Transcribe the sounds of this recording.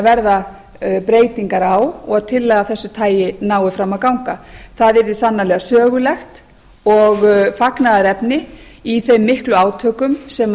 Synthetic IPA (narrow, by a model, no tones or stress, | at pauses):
vɛɾða | pɾeːjt̪iŋkaɾawɔɣaðt̪ʰɪlːɛɣaθɛsːʏt̪ʰaːjɪnaːwɪfɾamːaðkawŋkaθaðɛɾðɪsanːalɛɣasœːɣʏlɛxt̪ | ɔɣfaknaðaɾɛpnɪiθejmːɪhklʏaːwt̪ʰœːkʏmsɛm